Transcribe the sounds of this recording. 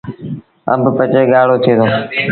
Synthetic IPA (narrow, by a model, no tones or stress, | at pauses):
ə̰mbʱpət͡ʃeːɠaːɽ̤oːt̪ʰeːd̪oː